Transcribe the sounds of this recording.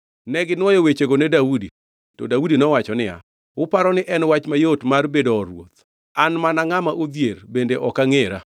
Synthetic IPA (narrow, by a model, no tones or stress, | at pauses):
nɛɡɪnwɔjowet͡ʃeɡonedaudi | tɔdaudinɔwat͡ʃɔnɪja̰ | ʊpaɾɔnɪʔɛnwat͡ʃmajotmarbedɔːɾwo̰t̪̚ | anmanaŋamaʔod̪jeɾbendeʔɔkaŋeɾa